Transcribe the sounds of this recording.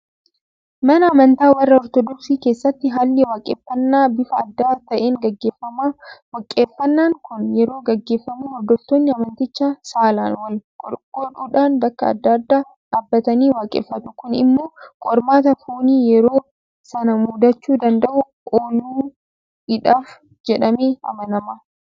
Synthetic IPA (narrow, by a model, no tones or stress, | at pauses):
mɐnɐːmɐnt̪aːwɐrːɐɔɾt̪ɔd̪ɔksiːke̞ːsːɐt̪ːɪɦaːlːɪwaːkʼeːfːɐnːaːbɪfɐɐd̪ːaːt̪ɐʔe̞ːŋɡɐɡːeːfːɐmawɐkʼeːfːɐnːaːŋkʊnjɛɾo̞ːɡɐɡːe̞ːfːɐmuːhɔɾd̪ɔft̪oːnːɪɐmɐnt̪ɪt͡ʃːasaːlaːnwɐlkʼkɔᶑuːᶑaːnb̪ɐkːɐɐ̰d̪ːɐd̪ːaː | ᶑaːbːɐt̪ɐniːwaːkʼḛːfːɐt̪ʊ̥kʊnɪ̰mːo̞ːkʼɔɾmaːt̪ɐfoːniːjɛɾo̞ː | sɐnɐmud̪ɐt͡ʃːuːd̪ɐnd̪ɐʔʊ | ʔoːluː | ɪᶑaːf | d͡ʒɛᶑɐmeːɐ̰mɐnɐma